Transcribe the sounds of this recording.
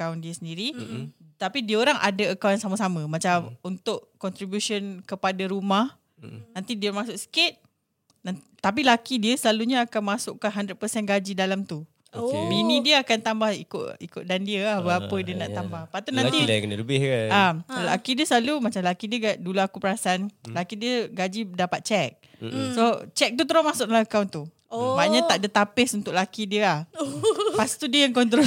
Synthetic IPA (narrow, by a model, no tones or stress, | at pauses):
kawndiəsəndiɾi | t̪apidiəoɾaŋʔa̰daəkawjansamasamə̃mãt͡ʃamunt̪ʊʔkɔnt̪ɾibjuʃonkəpadaɾumah | nãnt̪idiəmasʊksə̥kɪt̪̚ | na | t̪ap̬ilakidiəsəlaluɲaakanmãsʊʔkanɦandɾət̚pəsɛnɡad͡ʒidalamt̪u | binĩdiəakant̪ambahikʊ̰ʔikʊʔ̪̚dandiəabəapədiənaʔt̪ambahpat̪unãnt̪ikənələbɪhkaalakidiəsəlalumat͡ʃamlakidiəɡaʔduluakupəɾasaanlakidiəɡad͡ʒidapat̪̚t͡ʃɛk̚ | sot͡ʃɛk̚t̪̬ut̪əɾomasʊk̚alaəkawnt̪u | baʔɲãt̪aʔdət̪apɪsunt̪ʊʔlakidiəah | past̪udiəjaŋkɔnt̪̬ɾo